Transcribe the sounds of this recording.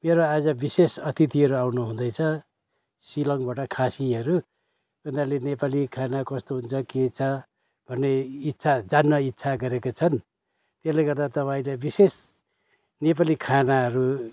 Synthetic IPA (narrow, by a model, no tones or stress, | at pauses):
meɾoad͡zʌbisesʌt̪it̪iɦʌɾuawnuɦũnd̪ʌjt͡sʰʌ | silʌŋbaʈʌkʰasiɦʌɾu | ɡʌnd̪alenepalikʰanakʌst̪oɦunt͡sʰʌket͡sʰʌ | b̥ʱʌnːeitːsʰad͡zanːʌitːsʰaɡʌɾekot͡sʰʌn | t̪eslajɡʌrd̪at̪ʌpaĩlajbises | nep̬alikʰanaɦʌɾu